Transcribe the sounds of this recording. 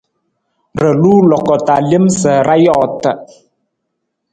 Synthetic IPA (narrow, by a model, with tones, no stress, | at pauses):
ɾə˨luː˦lɔ˨kɔ˨ta˨li˦mssə˨ɾa˦jɔ˦˨tə˨